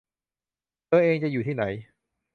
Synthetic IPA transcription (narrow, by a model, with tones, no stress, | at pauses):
t̪ɤː˧ʔeː˧ŋt͡ɕa˨˩juː˨˩t̪ʰiː˥˩na˩˦j